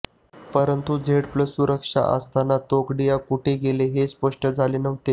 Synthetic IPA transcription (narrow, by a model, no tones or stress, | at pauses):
pəɾənt̪ud͡zʱeɽpləsːuɾəkʂa̰ʔə̰st̪anat̪okɖijakuʈʰeɡeleɦespəʂʈəd͡zʱalenəʋt̪e